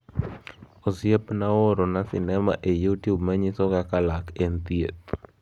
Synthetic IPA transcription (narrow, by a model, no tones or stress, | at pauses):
osɪepnaoɾonasɪ̰nɛma̰ʔejutjubmaɲɪsɔkakalakent̪jḛt̪̚